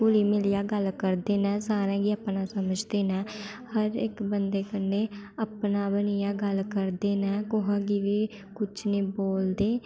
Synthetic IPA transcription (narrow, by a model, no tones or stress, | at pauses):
uliːmɪlijaːɡəlkəɾd̪eːnɛ̃ːsaːɾɛ̃ːɡiːəpnaːsəməd͡ʒd̪eːnɛ̃ː | həɾɪkbənd̪eːkənːeːəpnaːbənijaːɡəlkəɾd̪eːnɛ̃ːkʊɦãːɡiːʋiː | kʊt͡ʃʰniːboːld̪eː